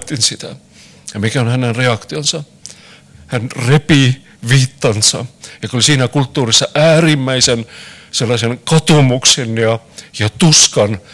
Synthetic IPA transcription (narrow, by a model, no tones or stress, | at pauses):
t̪ːinsit̪æ | jɑmikæonhænenreɑkt̪ionsɑ | hænrepi | ʋiːt̪ːɑnsɑ̰jɑokolisiːnækult̪ːuːrisːɑʔæːrimːæisenselːɑsenkɑt̪omuksenjɑjɑt̪uskɑn